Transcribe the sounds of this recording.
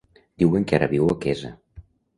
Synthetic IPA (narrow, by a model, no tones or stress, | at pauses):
d̪̥iweŋkaɾə̰βiwokɛzə̰